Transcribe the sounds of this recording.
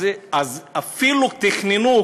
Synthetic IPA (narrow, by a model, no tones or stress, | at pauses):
azafilut̪iχninu